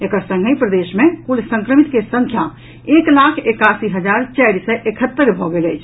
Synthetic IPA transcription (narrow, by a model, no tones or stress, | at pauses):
ekəɾsə̃ŋɡʱəipɾəd̪esmekulsə̃ŋkɾəmit̪kesə̃ŋkʰja | eklakʰekasiɦəd͡ʒaɾt͡ʃajɾsəʔekʰət̪ːəɾbʱɔɡeləjt͡ʃʰ